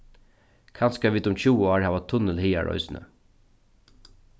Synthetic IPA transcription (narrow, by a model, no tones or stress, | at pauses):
kʰanskaʋiːt̪ʊmt͡ɕuːɔːɹhæːʋat̪ʰːʊnəlhiːa̰ɹɔ̰ʏjsnə̰